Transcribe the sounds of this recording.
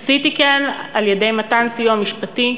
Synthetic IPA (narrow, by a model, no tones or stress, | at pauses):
sitikenaljede̞jmatansijuamiʃpati